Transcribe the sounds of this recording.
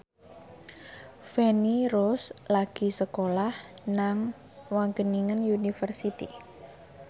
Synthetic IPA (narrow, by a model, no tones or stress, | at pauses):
fɛniɾɔslaɡ̥i̤səkolahnaŋ | waŋɡəniŋənjunifərsit̪ḭ